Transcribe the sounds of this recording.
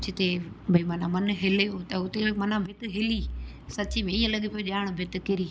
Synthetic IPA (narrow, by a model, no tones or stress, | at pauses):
t͡ʃʰɪt̪ebʱɐimɐnãmɐnɦɪleot̪ɐʊt̪emɐnãbʱɪt̪ɪɦɪli | sɐtt͡ɕimẽɪːə̃lɐɠipijoʄaːɽ̃bʱɪt̪ɪ̆kɪɾiː